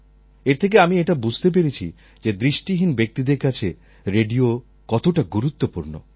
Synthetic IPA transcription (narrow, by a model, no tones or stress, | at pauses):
eɾt̪ʰek̬eamieʈabud͡ʑʱt̪ep̬eɾet͡ɕʰḭ | d͡ʑed̪ɾiʃʈiɦinbek̚t̪id̪eɾkat͡ɕʰe | ɾeɖio | kɔt̪oʈaɡuɾut̪ːopuɾno̰